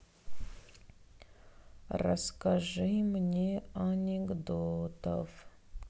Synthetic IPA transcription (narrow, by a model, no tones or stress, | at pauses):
rɐ̰skɐʐɨjmnʲeanʲeɡd̪ot̪ə̰f